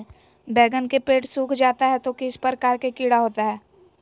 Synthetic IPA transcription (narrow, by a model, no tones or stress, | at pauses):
bɛːɡənkepeːʈsuːkʰd͡ʒaːt̪aɦɛt̪okɪspəɾəkaːɾkekɪɽaɦoːt̪aɦɛː